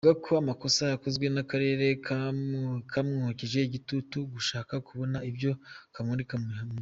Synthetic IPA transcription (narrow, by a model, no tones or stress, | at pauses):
ɡakʰoamako̞sajako̞zɡwe̞nakaɾe̞ːɾe̞k | kʰamŋuhuciʒe̞iɟitutuɡuʃaːkakuβo̞naibjo̞kamundikamihame